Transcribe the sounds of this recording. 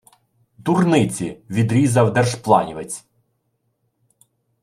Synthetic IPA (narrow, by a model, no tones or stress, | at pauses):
d̪urnɪt͡sʲiʋʲid̪ɾʲizɐwd̪ɛrʒplˠɑnʲiʋet͡sʲ